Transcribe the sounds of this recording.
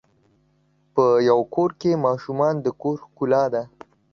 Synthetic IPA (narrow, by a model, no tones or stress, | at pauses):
pəjawkoɾkemɑʃumɑnd̪əkoɾxkulɑd̪a